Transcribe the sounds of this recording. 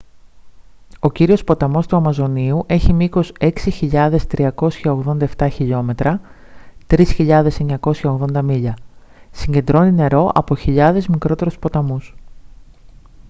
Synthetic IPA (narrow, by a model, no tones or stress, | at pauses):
o̞ciɾio̞spo̞t̪ɐmo̞st̪uɐmɐzo̞niuʔe̞çimiko̞se̞ksiçiʎɐðe̞st̪ɾiɐko̞sçɐo̞ɣðo̞nd̪ɐe̞ft̪ɐçiʎo̞me̞t̪ɾɐ | t̪ɾisçiʎɐðe̞se̞ɲɐko̞sçɐoɣðo̞nd̪ɐmiʎɐ | siɲɟend̪ɾo̞nine̞ɾo̞ʔɐ̰po̞çiʎɐðe̞zmikɾo̞t̪e̞ɾuspo̞t̪ɐmus